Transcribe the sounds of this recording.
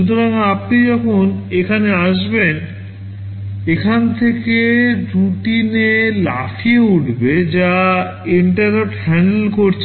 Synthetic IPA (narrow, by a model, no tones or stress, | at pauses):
ʃut̪oɾaŋapnid͡ʑɔkʰonekʰaneaʃben | ekʰant̪ʰekeɾuʈinela̰fʰieuʈbed͡ʑa | iɳʈaɾneʈhɛɳɖlkoɾt͡ɕʰ